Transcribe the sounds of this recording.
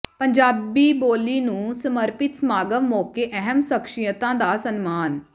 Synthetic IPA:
pəɲd͡ʒaːbiːboːliːnũːsəməɾpɪt̪smaːɡəʋmoːkeːʔɛɦəmsəkʃijət̪ãːd̪aːsənmaːn

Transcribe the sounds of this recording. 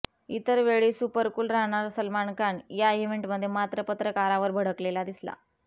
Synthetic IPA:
it̪əɾʋeɭiːsupəɾkuːlɾaɦɽ̃aɾsəlmaɳkaɳjaeʋeɳʈməd̪ʱːjemat̪ɾəpət̪ɾəkaɾaʋəɾbʱəɽ̤əklelad̪isla̰

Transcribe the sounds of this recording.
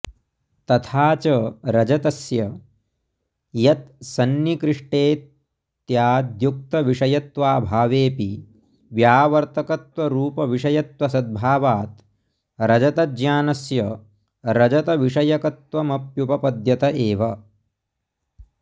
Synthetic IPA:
t̪ɐt̪ʰaːt͡ʃɐɾɐd͡ʒɐt̪ɐsjɐ | jɐt̪̚sɐnjikɾɪʂʈeːt̪ | jaːd̪juk̚t̪ɐʋiʂɐjɐt̪ʋaːbʱaːʋeːpi | ʋjaːʋɐɾt̪ɐkɐt̪ʋɐɾuːpɐʋiʂɐjɐt̪ʋɐsɐd̪̚bʱaːʋaːt̪ | ɾɐd͡ʒɐt̪ɐd͡ʒjaːnɐsjɐ | ɾɐd͡ʒɐt̪ɐʋiʂɐjɐkɐt̪ʋɐmɐpjupɐpɐd̪jɐt̪ɐʔeːʋɐ

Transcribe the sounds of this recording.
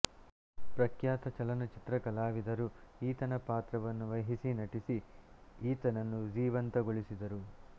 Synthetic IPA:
pɾɐkʰjaːt̪ɐt͡ʃɐlɐnɐt͡ʃit̪ɾɐkɐlaːʋid̪ɐɾuiːt̪ɐnɐpaːt̪ɾɐʋɐnːuʋɐjɦisinɐʈisiiːt̪ɐnɐnːud͡ʒiːʋɐnt̪ɐɡoɭisid̪ɐɾu

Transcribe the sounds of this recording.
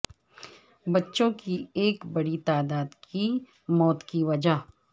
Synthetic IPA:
bɐtːʃõkieːkbɐɽit̪aːd̪aːd̪kʰi | mɔːt̪kiʋɐd͡ʒa

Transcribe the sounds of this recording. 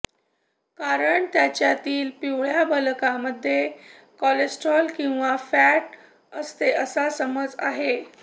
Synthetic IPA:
kaɾəɳt̪jat͡ɕjat̪iːlpiwɭ̤jabəlkaməd̪ʱːje | kɔlesʈɾɔlkĩw̃ʋafæʈ | əst̪eəsasəməd͡za̰ɦe

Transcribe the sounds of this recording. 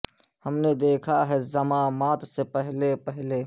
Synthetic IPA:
hɐmned̪eːkʰaɦɛzɐmãːmaːt̪sepɛɦlepɛɦle

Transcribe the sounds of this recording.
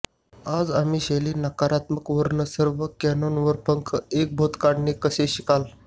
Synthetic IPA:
ad͡zam̤iːɕeliːnakaɾat̪məkʋəɾnəsəɾʋəkɛnonʋəɾpəŋkʰəek̚bʱot̪kaɽnekəseɕikal

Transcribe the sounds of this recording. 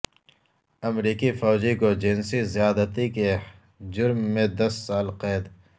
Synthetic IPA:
ɐmɾiːkifɔːd͡ʒikod͡ʒensizijaːd̪ət̪ike | d͡ʒʊɾmːẽd̪ɐsːaːlqeːd̪

